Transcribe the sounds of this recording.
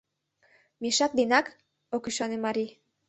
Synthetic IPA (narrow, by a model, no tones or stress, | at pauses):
miʃɑk̚d̪inɑk | okyʃɑnemɑɾi